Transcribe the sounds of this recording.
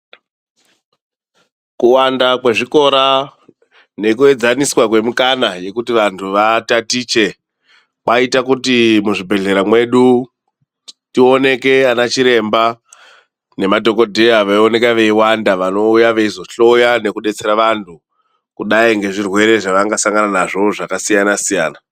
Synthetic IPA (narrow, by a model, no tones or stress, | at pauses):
kuwandakwe̞ʐiko̞ɾa | ne̞kue̞d͡zaniswakwe̞mukanaje̞kutiʋantʰuʋatatiːt͡ʃe̞ | kaitakutimuʐibʱe̞ɮe̞ɾamwe̞ɗu | tio̞ne̞ke̞anat͡ʃiɾe̞mba | ne̞madʱo̞ko̞dʱe̞aʋaio̞ne̞kaʋe̞iwandaʋano̞ujaʋeizo̞ɬo̞jane̞kuɗe̞t͡se̞ɾaʋantʰu | kuɗaiŋɡe̞ʐirwe̞ɾe̞ʐaʋaŋɡasaŋɡananaʐo̞ʐakasijanasijaːna